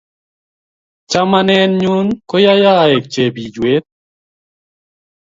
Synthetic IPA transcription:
t͡ʃa˦ma˦nɛ˦nɲu˦nkɔ˦ja˦ja˦˨e˨k̚t͡ʃe˨bi˨d͡ʒwe˦t̪̚

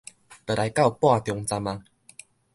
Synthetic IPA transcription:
t̪ə˨˩ɾa˨˧˦jka˥˧˨wpwa˥˧˨t̪jɔ˧ŋt͡sa˧mã˧

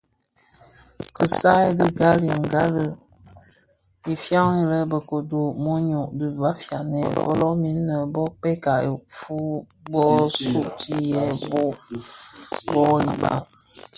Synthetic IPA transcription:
kə˨sa˦ɡə˦ɡa˦li˨ŋ˨ɡa˦lə˨ | i˨fja˦ŋi˨lə˦bə˨ko˨du˨mo˦ɲo˨ʔdə˨va˦fja˨nɛ˨fɔ̰˦lɔ˦mi˨˦nː˦ə˨bɔ˦k͡pɛ˦ka˨o˨fu˦ | bɔ˦su˦ʔti˦jɛ˦bo˦ | bɔ˦i˨ba̰˨

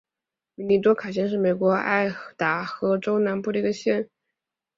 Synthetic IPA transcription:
mi˧˥ni˧˥t̪̬wɔ˥kʰa˨˩ɕ̬jɛ˥˧nʂ̬ɻ̩˥˩me˨˩ɪkwɔ˧˥a̰˥˩ɪt̪a˧˥xɤ˧˥ʈ͡ʂo˥ʊna˧˥npu˥˩d̪ə˩i˧˥ɡə˧ɕjɛ˥˩n

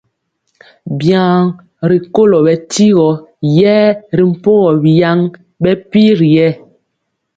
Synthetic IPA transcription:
bjã˨˦ŋ | ɾi˨ko˦lɔ˨bɛ˨ti˦ɣɔ˨˦jɛː˦ɾi˨m̩˨po˦ɣɔ˨bi˨ja˦ŋ | ɓɛ˦pi˦ɾi˨jɛ˦˨

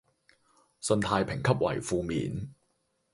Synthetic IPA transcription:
sɵ˧nt̪ʰaː˧jpʰɪ˨˩ŋkʰɐ˥p̚wɐ̰˨˩jfuː˧mḭː˨n

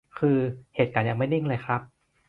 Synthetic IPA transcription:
kʰɯː˧heː˨˩t̪̚kaː˨˦nja˧ŋma˥˩jdi˧˥˩ŋlɤː˧jxʰɾa˦˥p̚

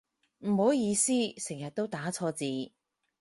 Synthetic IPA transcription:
m̩˨˩ho˨˥wjiː˧siː˥sɪ˨˩ŋjɐ˨t̚t̪o˥wt̪aː˨˥t͡sʰɔː˧t͡siː˨˧

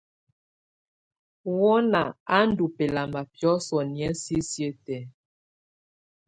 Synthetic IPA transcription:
wɔ˦na˨a˦n̩˦du˨pe˨la˨ma˨pjɔ˦sɔ˨ni˨ɛ˦si˦sje˦tɛ˨˦

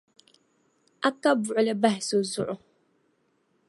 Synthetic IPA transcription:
a˦ka˦bʊ˨ʔʊ˦lɨ˦ba˦hɪ˨so˨zʊ˦ʔʊ˦

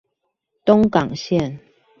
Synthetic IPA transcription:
t̪ʊ˦ŋkɑ˨˩ŋɕjɛ˥˨n

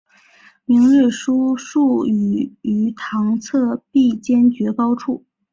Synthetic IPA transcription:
mi˧˥ŋli˥˩ʂu˥ʂu˥˩y˨˩y˧˥t̪ʰɑ˧˥ŋt͡sʰɤ˥˧pi˥˩t͡ɕjɛ˥nt͡ɕɥɛ˧˥kɑ˥ʊʈ͡ʂʰu˥˩

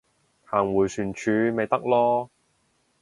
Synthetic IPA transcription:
haː˨˩ŋwuː˨˩jsyː˨˩nt͡ʃʰyː˨˧me˨jt̪ɐ˥k̚lɔː˥

